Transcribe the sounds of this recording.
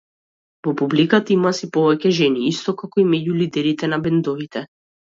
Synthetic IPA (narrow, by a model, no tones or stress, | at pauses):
vɔpublikat̪aimasipɔvɛcɛʒɛniist̪ɔkakɔimɛɟulid̪ɛɾit̪ɛnabɛnd̪ɔvit̪ɛ